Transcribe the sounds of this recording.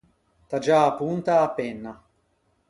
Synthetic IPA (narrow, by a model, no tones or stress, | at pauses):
t̪ad͡ʒaːpːunt̪aːpːenːa